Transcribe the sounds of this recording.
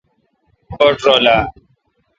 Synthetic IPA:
koːʈɾoːlaː

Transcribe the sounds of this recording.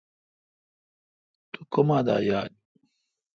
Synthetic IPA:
t̪ukomaːd̪a̰ːjaːl

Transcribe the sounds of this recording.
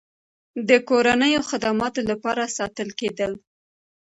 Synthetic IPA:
d̪əkoɾanəjoxɪd̪amɑt̪olapɑɾasɑt̪əlked̪əl

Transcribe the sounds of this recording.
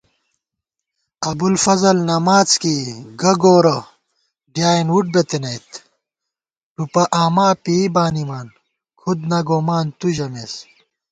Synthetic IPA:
ɐbulfɐzɐlnɐmaːt͡skiɡɐɡoːɾɐ | ɖjaːinuʈ̚bet̪enɐjt̪ | ʈupɐʔaːmaːpibaːnimaːn | kʰud̪̚nɐɡoːmaːnt̪uʑɐmes

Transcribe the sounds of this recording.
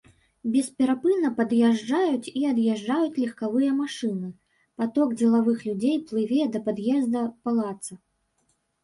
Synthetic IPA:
bʲɛspʲɛɾapɨnɐpɐd̪jaʐd͡ʐajut͡sʲiɐd̪jaʐd͡ʐajut͡sʲlʲɛxkavɨjɐmaʂɨnɨ | pat̪ɔɡd͡zʲɛlˠavɨxlʲud͡zʲejplˠɨvʲɛd̪ɐpad̪jɛzd̪ɐpalˠat̪sɐ

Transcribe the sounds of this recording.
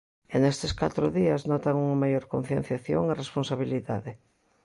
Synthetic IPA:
enest̪ɪska̰t̪ɾʊðiɐznɔt̪aŋuŋɐmajoɾkon̟θjẽn̟θjaθjo̰ŋeresponsaβ̞iliða̰ðɪ

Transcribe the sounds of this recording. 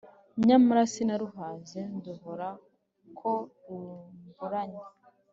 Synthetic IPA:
ɲamaɾasinaɾuɦaːzenduɦoɾa | kʰoɾuɡuɾaɲe

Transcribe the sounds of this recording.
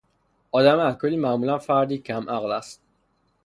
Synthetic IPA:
ɒːd̪æmælkʰoliːmæmuːlænfæɾd̪iːcʰæmʔæɣlæst̪̚

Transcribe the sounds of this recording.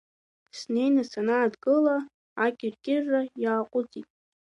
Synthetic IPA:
sne̞jnasanaːdɡʼɨla | akʲʼɪrkʲʼɪrːajaːqʷʼʊd͡zitʼ

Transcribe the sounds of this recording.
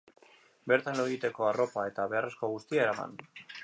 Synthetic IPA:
be̞ɾt̪anloɣit̪e̞ko̞aro̞pae̞t̪aβe̞are̞sko̞ɣust̪iaeɾama̰n

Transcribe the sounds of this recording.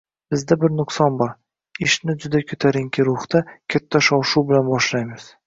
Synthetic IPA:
b̥ɪzd̪abɪɾnʊqsɒnbɒɾ | ɪʃnɪd͡ʒʊd̪akʲʰɵt̪ʰaɾɪŋkʲʰɪɾʊχt̪akʲʰat̪ʰːaʃɒwʃuwbɪlanbɒʃlajmɪz̥

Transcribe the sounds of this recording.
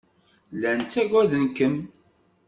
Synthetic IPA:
lænt͡sːæɡʷæðənkəm

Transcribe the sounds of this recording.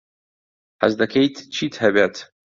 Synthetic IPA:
ħazdakʲʰejtʰt͡ʃʰitʰhabʲatʰ

